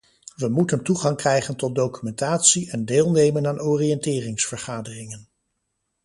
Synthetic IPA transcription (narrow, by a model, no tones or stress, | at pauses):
ʋəmutəntuχɑŋkrɛjχəntɔt̚dowkymɛntaːtsiɛndeːlˠnejmənaːnoːriɛntɪːrɪŋsfəɹχaːdərɪŋən